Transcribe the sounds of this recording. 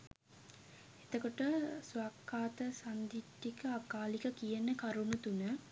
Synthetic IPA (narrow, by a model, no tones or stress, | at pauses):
et̪əkoʈəsʋakːaːt̪əsand̪iʈːikəakaːlikəkijənəkaɾunut̪unə